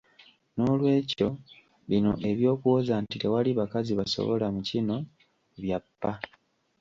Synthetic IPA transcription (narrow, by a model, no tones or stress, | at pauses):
no̞lwe̞ːco̞ | βino̞ʔe̞βjo̞ːkuwozantiɾewaliβakaziβaso̰βo̰lamucino̞ | βjapːa